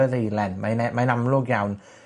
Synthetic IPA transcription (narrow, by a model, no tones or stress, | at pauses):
əðəilɛnmajnɛmajnamloːkjawn